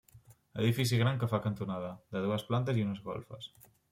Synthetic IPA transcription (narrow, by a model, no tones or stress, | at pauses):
ḛðifisiɣɾaŋkɐfakant̪onaðɐd̪ɐðuɐsplant̪ɐsiunɐzɣo̰lfɐ̰s